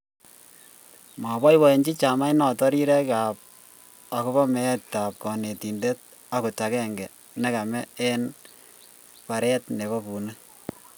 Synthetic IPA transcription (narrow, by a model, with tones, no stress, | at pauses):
ma˨bɔ˦jwɔ˨e˨nt͡ʃi˦t͡ʃa˨ma˦jnɔ˨tɔ˦ɾi˦ɾɛ˦ka˨p̚ | a˨ku˦bɔ˦mɛ˨˦tːa˨p̚kɔ˨ne˨ti˨nde˦t̚ | a˦ku˨ta˨kɛ˦ŋɡɛ˨ | nɛ˦ka˨mɛ˦ɛ˦n | pa˨ɾɛ˦tne˨βɔ˦pu˨na˦